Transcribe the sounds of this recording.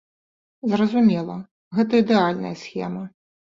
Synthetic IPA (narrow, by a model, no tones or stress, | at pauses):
zrɐzumʲɛlˠɐ | ɣɛt̪ɐid̪ɛalʲnɐ̰jɐsʲxʲɛ̰mɐ